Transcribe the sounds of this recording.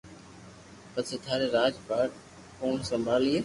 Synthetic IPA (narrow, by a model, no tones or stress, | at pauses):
pəsʰət̪ʰaːɾeːɾaːd͡ʒpaːʈ | koːnsəmbʱaːlieː